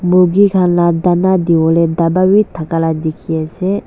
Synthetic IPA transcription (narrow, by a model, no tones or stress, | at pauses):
moɡikʰanlad̪anad̪iwɔled̪abawit̪ʰakalad̪ekʰiase